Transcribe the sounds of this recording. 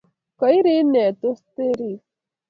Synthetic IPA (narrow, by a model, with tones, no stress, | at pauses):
kəjɾe˦ne˨t̪ost̪e˦ɾi˨